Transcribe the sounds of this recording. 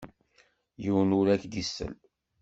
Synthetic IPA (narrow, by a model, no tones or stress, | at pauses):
jəwnuɾækd̪isːə̰l